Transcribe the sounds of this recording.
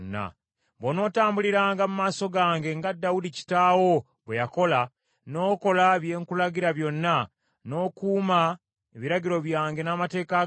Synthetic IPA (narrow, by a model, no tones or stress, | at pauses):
nːa̰ | βono̞ːtaːmbuliɾaːŋɡamumaːso̞ɡaːŋɡe̞ŋɡadːawudici̥taːwo̞ | βwejako̞la | no̞ːko̞laβje̞ːŋkulaɟiɾaβjo̞nːa | no̞ːkuːma | eβiɾaɟiɾo̞βjaːŋɡe̞namate̞ːka